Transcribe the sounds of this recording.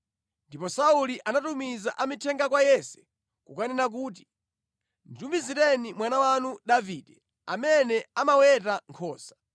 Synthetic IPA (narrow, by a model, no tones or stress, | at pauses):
ndipɔsauliʔanatumizaʔamitʰɛŋɡakwajɛsɛ̥ | kukanɛnak̬uːt̬i̥ | nd͡ʒumbiziɾɛnimwanawanudaviːdɛ | a̰mɛnɛamawɛtaŋkʰɔːsḁ